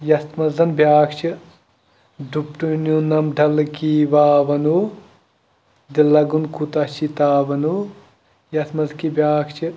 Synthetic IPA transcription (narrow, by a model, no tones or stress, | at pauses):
jɐst̪mɐzɐnbjaːkʰt͡ʃʰi | d̪upʈununɐmɖʱɐlkiʋaːʋɐnu | d̪ilɐɡunkut̪ɐt͡ʃit̪aːʋɐnu | jɐsmɐzkibʲjaːkʰt͡ʃʰi